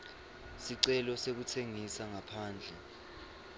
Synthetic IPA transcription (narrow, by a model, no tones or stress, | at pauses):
siǀɛlɔsek̬utʰeŋisaŋapʰaːnd͡ɮʱɛ